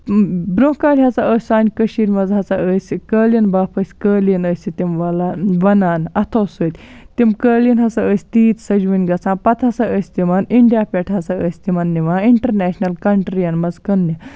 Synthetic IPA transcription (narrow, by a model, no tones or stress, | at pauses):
bɾõːkaːlʲɦɐt͡saəːsʲsaːnʲkəʃiːɾʲmɐzɦɐt͡saəsʲikəːlinbaːpʰɐsʲkəːlinəːsʲit̪ʲimʋɐlaʋɐnaːnɐt̪ʰɐwsoːt̪ʲ | t̪imkəːlinɦɐsaəsʲt̪iːt̪sɐd͡ʒʋunʲɡɐt͡sʰãːnpɐt̪ʰɐsaəsʲt̪imɐniɳɖijaːpʲeʈʰɦɐsaəːsʲt̪imɐnːiʋaːiɳʈɐɾnɛːʃnɐlkɐɳʈɾijɐnmɐzkɐnːnʲi